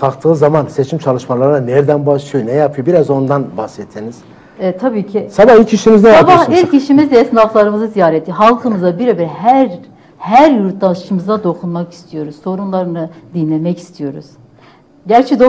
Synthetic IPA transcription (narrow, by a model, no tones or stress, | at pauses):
kʰakt̪ʰɯːzamanset͡ʃʰimt͡ʃʰalˠɯʃmalˠaɾɯnanɛɾd̪ænbaʃˠɯjonɛjapʰɯjobiɾazo̞nd̪anbahsɛt̪ʰːiniz̥ | ɛɛt̪ʰːabiːcʰisabahit͡ʃʰiʃimiznɛjabahiɾcʰiʃimizd̪jesnaflˠaɾɯmɯzɯzijaːɾɛt̪ʰːiɦalˠkʰɯmɯzabiɾebiɾhæɾ | hæɾjuɾt̪̚ʰlˠanʃɯmɯzad̪o̞kʰunmaki̥st̪ʰijo̞ɾuzso̞ɾunlˠaɾɯnɯd̪inlʲe̞mɛci̥st̪ʰijo̞ɾuz̥ | ɟæɾt͡ʃʰɛd̪o